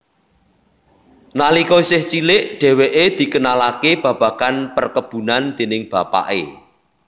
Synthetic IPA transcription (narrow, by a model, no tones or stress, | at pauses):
nalikɔisɪht͡ʃilɪʔɖ̥ɛ̤weʔed̪̥i̤kənalakeb̥ä̤b̥ä̤kanpərkəb̥ṳnand̪̥e̤nɪŋb̥ä̤pa̰ʔḛ